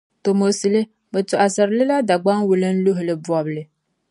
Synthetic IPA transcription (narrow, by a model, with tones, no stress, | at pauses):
to˨mo˨si˨lɨ˦ | bɛ˨tʊ˨ʔa˨sa˨ɾlɪ˦la˦da˨ɡ͡ba˦ŋwu˨lɨ˦n̩˦lʊ˦ɦʊ˨lɨ˨bɔ˨blɨ˨